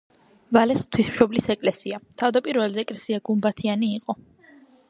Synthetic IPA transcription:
valɛsχt̪ʰwism̥ʃɔblisɛkʼlɛsiat̪ʰavd̪apʼiɾvɛliɛkʼlɛsiaɡumbat̪ʰianiːqʼɔ

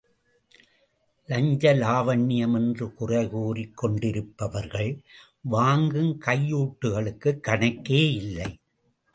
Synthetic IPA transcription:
lɐɲd͡ʒɐlaːʋɐɳːɪjɐmɛndrɯkʊrɐɪɣuːrikːɔɳɖɪɾɯpːɐʋɐɾɣɐɭ | ʋaːŋɡɯmkɐjːuːʈːɯɣɐɭɯkːɯkːɐɳɐkːeːɪlːɐɪ

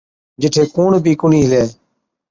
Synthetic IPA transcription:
d͡ʒɪʈʰeːkuːɳbiːkʊɳiːɦɪleː

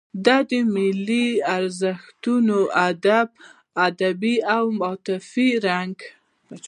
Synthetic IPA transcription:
d̪ɑd̪əmɪliaɾzəxt̪unoʔad̪ab̚ | ad̪abiawmɑt̪ɪfiɾaŋɡ

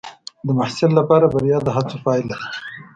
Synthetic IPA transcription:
d̪əmahsɪllapɑɾabaɾjɑd̪əɦat͡sofɑɪlas

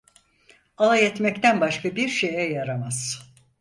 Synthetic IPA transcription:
alˠajɛt̪mɛct̪ænbaʃkʰabiɾʃe̞jɛjaɾamaz̥

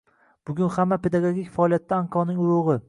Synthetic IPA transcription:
b̥ʊɡʲʊnhamːapʰe̞d̪aɡoɡʲikʲfaɒːlijat̪ʰːaːŋkʰɒnɪŋʊɾʊʁɨ

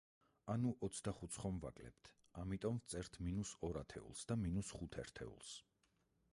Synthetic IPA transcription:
anuʔɔt̪sʰd̪aχut̪sʰχɔmva̰kʼlɛ̰p̚t̪ʰ | amit̪ʼɔmvt̪sʼɛɾt̪ʰminusɔɾat̪ʰɛ̰ṵlˠsd̪aminusχut̪ʰɛɾt̪ʰɛ̰ṵlˠs

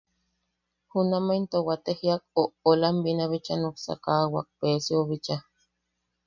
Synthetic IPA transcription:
hunamaint̪owat̪ehiak̚oʔolambinaβit͡ʃanuksa̰kawa̰k̚peːsioβit͡ʃa

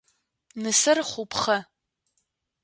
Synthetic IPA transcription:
nɨsɨrχʷʊpʰχɐ

